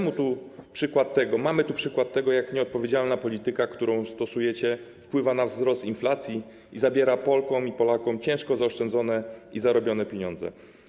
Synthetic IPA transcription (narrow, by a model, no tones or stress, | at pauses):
mut̪upʂɘkwat̪ːɛɡɔmamɘt̪upʂɘkwat̪ːɛɡɔjakɲɛɔt̪̚pɔvʲjed͡ʑalnapɔlʲit̪ɘkakt̪uɾɔ̃w̃st̪ɔsujɛt͡ɕɛfpwɘvanavzɾɔst̪inflat̪sʲji | izabʲjɛɾapɔlkɔ̃w̃ipɔlakɔ̃mt͡ɕɛ̃w̃ʂkɔzaɔʂt͡ʂɛnd̪zɔnɛizaɾɔbʲjɔnɛpʲjeɲɔ̃nd̪zɛ̰